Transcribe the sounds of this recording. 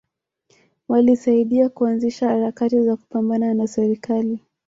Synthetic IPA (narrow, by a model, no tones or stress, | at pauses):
walisaiɗiakuanziʃahaɾakatizaku̥pambananasɛɾikali